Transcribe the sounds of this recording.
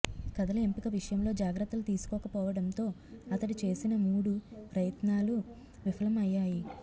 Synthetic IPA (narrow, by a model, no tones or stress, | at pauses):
kɐd̪ɐlɐempikɐʋiʂɐjɐmlo̞ːd͡ʒaːɡɾɐt̪ːɐlut̪iːsu̥kɔːkɐpɔːʋɐɽɐnt̪o̞ːɐt̪ɐɽit͡ʃe̞ːsinɐmuːɽupɾɐjɐt̪naːlu | ʋipʰɐlɐmɐjːaːji